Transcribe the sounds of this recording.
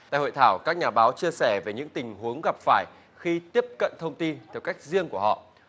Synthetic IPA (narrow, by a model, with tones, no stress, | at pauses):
a̰˧˨jho̰˧˨jt̪ʰaː˧˩wkaː˦˥k̚ɲaː˨˩ɓaː˨˦wt͡ɕi˧əsɛ˧˩ve˨˩ɲɨ̰˧˥ŋt̪ï˨˩ŋ̟hu˨˦əŋɣa˨˩p̚faː˧˩j | xi˧t̪i˦˥əp̚kə̰˧˨nt̪ʰə˧wŋ͡mt̪i˧nt̪ʰɛ˧˩wka˦˥jk̟̚zi˧əŋku˧˩əhɔ̰˧˨